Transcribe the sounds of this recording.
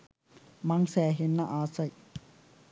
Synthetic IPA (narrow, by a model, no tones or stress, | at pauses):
maŋsɛːɦenːaʔaːsɐj